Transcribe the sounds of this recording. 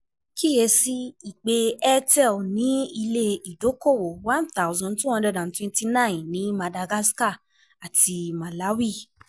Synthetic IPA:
ki˦je˧si˦i˨k͡pe˧ɛ˦tɛ˦˨nĩ˨˦i˧le˧i˨do˨˦ko˦˨wo˨wã˦nθa˦˨wzɔ̃˧ntũ˦hɔ̃˧ndɛ˧˨dã˨n˨twɛ̃˧nti˧nã˦˨ĩ˨nĩ˨˦ma˧da˧ɡa˦ska˦˨ | a˨ti˧mã˨la˨˦wi˦˨

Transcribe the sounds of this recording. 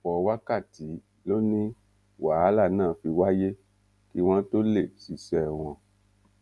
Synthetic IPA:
fɔ˨˧wa˦ka˦˨ti˨˦ | lo˦nĩ˦ | wa˨˦la˦˨nãː˦˨fi˧wa˦je˦ | ki˦w̃ɔ̃˦to˦le˦˨si˨sɛ˨w̃ɔ̃˧

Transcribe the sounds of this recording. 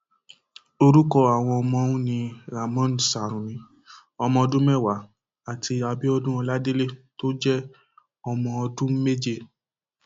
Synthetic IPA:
o˧ɾu˦kɔ˦a˨w̃ɔ̃˧ɔ˧mɔ̃˧ũ˦nĩ˧ɾa˨mɔ̃˦n˨sa˨ɾ̃ũ˨nĩ˨˧˦ | ɔ˧mɔ̃˧ɔ˧dũ˦mɛ˦˨wa˨˦ | a˨ti˧a˧bi˦ɔ˧dũ˦ɔ˧la˦de˦le˦to˦d͡ʒɛ˦ | ɔ˧mɔ̃˧ɔ˧dũ˦me˦d͡ʒe˦˧˨

